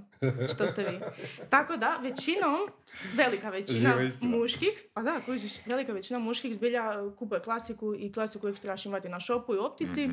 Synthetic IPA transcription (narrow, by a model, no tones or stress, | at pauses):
ʃt̪ost̪eʋiːt̪akod̪aʋet͡ɕinom | ʋe̞likaʋet͡ɕinamuʃkixpad̪akuiʃʋe̞likaʋet͡ɕinomuʃkixzbiʎakupujeklˠasikuiklˠasikuikʃt̪ɾebaʃimat̪inaʃopuiop̚t̪it̪si